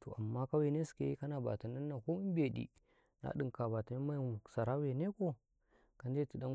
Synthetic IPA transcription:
to̰˨a̰˨mːa˦ka˦we˨ne˦si̥˨kḛ˦i˦ka˦na˨ba̰˨ta˨na˦nːa˨ko˦i˦m˦be˨ɗḭ˨ | na̰˨˦ɗɨ˨ŋka˨ba˨ta˨ni˦ma˦˨sa˨ɾa˦we˨ne˦ko˦ | ka˨nde˦˨ti˨da˦

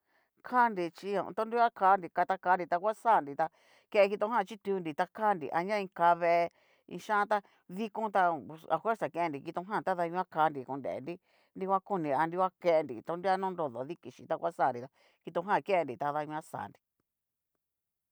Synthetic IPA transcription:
kʰa˦ndi˧t͡ʃi˧õ̰˨˧t̪õ˦nɾi˦a˦kʰa˧˦ndi˧ka˧t̪a˧kaː˧˦ndi˧t̪a˧kʷa˦sa˦˨ndi˨t̪a˧ | ke˧ʔe˧ki˧t̪õ˧˦ɦã˦˨t͡ʃi˦t̪u˧ndi˨t̪a˧kʰa˦ndḭ˨ʔa˧ɲã˦˧ĩ˧ka˧βe˧ | ḭ̃˧ʃã˦t̪a˧ | ði˧kõ˦t̪a˧a̰˨fʷwe˦ɾsa˨ke˧e˧ndi˨ki˧t̪õ˧˦ɦã˦˨t̪a˦ða˧ɲũ˧ã˦ka˧˦˧ndi˨kṵ̃˧ndḛ˨ḛ˨ndi˦ | ndi˧kʷwʷa˦ku˧nĩ˨a˧nɾi˧kʷa˦ke˧ʔe˧ndḭ˨t̪õ˧ndi˦a˦nũ˦nɾo˧ðo˨ði˦ki˨ʃḭ˧˨t̪a˧kʷa˦saː˦˨ndi˨t̪a˧ | ki˧t̪õ˧˦ɦã˦˨˧ke˦e˧ndi˨t̪a˧ða˧ɲũ˧ã˦sa̰ː˨ndi˨

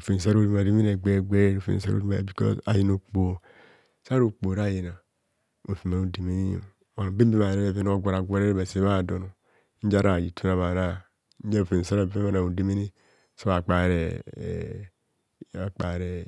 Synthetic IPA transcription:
u˨fe˨n˨s̬a˦ɾo˦di˦ma˨di˦mi˦ne˨ɡ͡be˦˨ɡ͡be˦ɾe˦ɾo˨fḛ˨sa̰˦ɾo̰˦i˦ma˨bi˨kɔ̰˦za̰˨ji˦no˨k͡po˨ | sa˦ɾo˨k͡po˨ɾa˦˨je˨na˨ | o˨fi˨ma˨o˦di˨mi˦ni˦o̰˨ | a˨be˦bi˦ma˨ɾe˨˦be˨ve˦n˦o˦ɡʷa˨ɾa˨ɡʷa˦ɾe˦ɾe˦ba˨se˨˦βa˦˨do˨no˨˦ | n̩˦d͡ʒa˦ɾa˨ji˨tʰu˦na˨βa˨ɾa˦ | d͡ʒa˦˨fe˨n˨sa˦ɾa˦˨be˦a˦˨na˨u˨di˦mi˦ni˦ | so˦a˨k͡pa˨ɾḛ˨ | a˨k͡pa˨ɾe˨

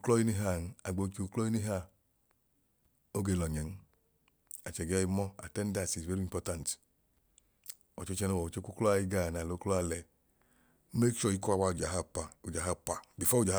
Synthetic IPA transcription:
klɔ˦ji˦ni˦ɦa˦˨n˦a˨ɡ͡bo˨˦ki˨u˨klɔ˦i˦ni˦ɦa˦˨ | o˦ɡe˧˦˨lɔ˨ɲɛ˨n̩˦ | a˨t͡ʃɛ˨ɡɛ˦i˧˦mɔ˦a̰˨tɛ˦nda˨si˨zve˦ɾi˦i˨mpɔ˦tã˨nt | ɔ˨t͡ʃɔ˦t͡ʃɛ˧no˦wɔ˨u˨t͡ʃe˦ku˦klɔ˦a˧i˦ɡa˦˨na˨lo˨˦klɔ˦a˧lɛ˨ | me˦kʃɔ˦˨i˦kɔ˦a˧wa˧u˨d͡ʒa˨ɦa˦pa˨u˨d͡ʒa˨ɦa˦pa˨bi˨fɔ˦u˦˨d͡ʒa˨˦

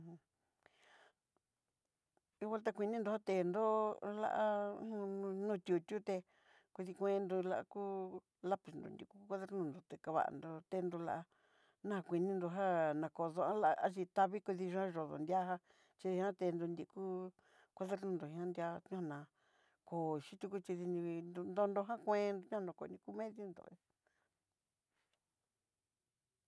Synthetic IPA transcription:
u˦wa˦lt̪̬a˦˧kʷi˧nĩ˦nd̪o˧ha˦t̪e˧˨nd̪o˦la̰˧ʔã˦˧ | nũ˦˧t̪ʲu˨t̪ʲu˦t̪e˧ | kʷi˧ði˧kʷẽ˦˧˦nd̪u˧la˧ʔa̰˧kuː˦ | la˦pi˨nd̪o̰˨nd̪ʲḭ˧˨ku˦ku˦kʷa˧˦ðe˦ɾnũ˧˨nd̪o˨t̪e˨ka˧βa̰˨˧˨nd̪o˧t̪e˧nd̪o˧la̰˧ʔa˧ | nã˦ha˧kʷi˨˧nĩ˦nd̪o˧ɦa˦nã˨ko˨ðo˧ã˦la˧ʔa˦t͡ʃi˧t̪a˧βi˦ku˧ði˧ʒu˧˦ã˦ʒo˨ðo̰˨nd̪ʲa˦ɦa˦ | t͡ʃi˧ðĩ˧˦ã˦t̪e˧nd̪o˧nd̪i˧ku˦ | kʷa˧ðe˦ɾnũ˧nd̪o˨hĩ˧ã˦nd̪i˧a˧ɲũ˦ha˧nã˧ | ko˨ʃi˦t̪u˧ku˦t͡ʃi˧ði˧nĩ˧nd̪o˧nd̪o˧ɦã˦kʷẽ˧n˧ɲũ˦˧nã˧˨ko˧˨˧nĩ˧ku˦mẽ˦ðjo˦nd̪o̰˨e˦

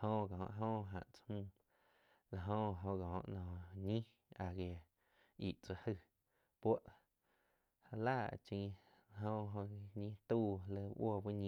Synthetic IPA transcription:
hõ˧˨ɡa˨ɔ̰̃˧ʔɦõ˦ɦã̰˨ʔt͡sḁ˧hmũ˧ | la˨ɦõ˧ʔɦõ˧ɣa˨õ̰˧ʔnɔ̃˨ɲĩ˦ | a˨ɡe˨ | i˨ʔt͡sa˧hə˧ | pwa˦ʔ | ha˧la̰ː˦˨t͡ʃĩː˧ | a˧ɦõ˧ɦõ˧ɲĩː˦t̪uː˦˧lə˧˦ʔwo˦˧˨bi˦ɲĩ˧

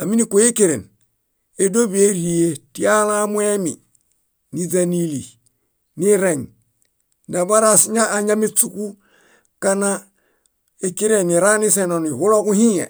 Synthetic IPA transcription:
a˨mi˦ni˦ku˨je˦ke˦˨ɾḛ˨n | e˨do˦bi˦e˦ɾi˨je˦ti˦ja˦la˦mwe˦mi˨ | ni˦d͡ʒa˨ni˦li˨ | ni˦ɾe˨ŋ | da˨ba˦ɾa˦sɲa˦a˨ɲa˦mi˦t͡su˦ku˦ | ka˦na˦ | e˨ki˦ɾe˨ni˨ɾa˦ni˦se˨no˨ni˨hu˦lo˦ku˦hĩ˦jḛ˨

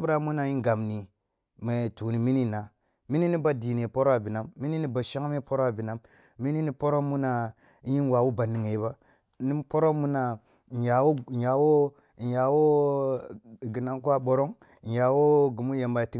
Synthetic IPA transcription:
bɾa˦mu˦na˨ji˦ɡa˨mni˨ | me˨tu˨ni˨mi˦ni˦˨na˨ | mi˦ni˦ni˦ba˦di˨ne˨po˦ɾa˨bi˨na˦mːi˦ni˦ni˦ba˨ʃa˦ŋ˦me˦po˦ɾo˦a˨bi˨na˦mː | i˦ni˦ni˦po˦ɾo˦mu˦na˨˦ | ji˦nwa˨wu˦ba˨ni˨ŋe˨˦ba˦ | ni˦mpo˦ɾo˦mu˦na˨ | ja˨wo˦˨ja˨wo˦˨ | ja˨wo˦˨ | ɡi˨na˦ŋk̬u˦a˦ɓo˨ɾo˦ŋ˨ | ja˨wo˦ɡi˨mu˦je˨mba˨ti˦

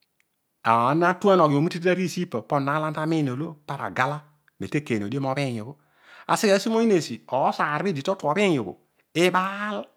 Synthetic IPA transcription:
a̰˨˦na˦tu˦a˦nɔ˨ɡo˨mi˦ti˦ti˦a˦ɾi˦˨si˦pɔ˨pɔ˦nːa˨˦la˦nta˦mi˦n˨o˨lo˦pa˦ɾa̰˨ɡa˦la˦ | me˨te˦ke˨no˨di˦e˦mɔ˦be˦˨ɲo˨ko˦ | a̰˨si˦ka˨˦si˦mo˦i˦ne˨si˨ɔ˨˦sa˨ɾbi˦di˨tɔ˦tu˨ɔ˨be˦ɲo˨ɡo̰˨ | e˦ɓa˦l

